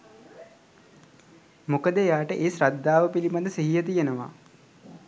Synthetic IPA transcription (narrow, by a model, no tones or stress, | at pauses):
mukəd̪ejaːʈəʔeːsɾad̪ːaːʋəpilipad̪əsiɦijət̪ijənəʋa̰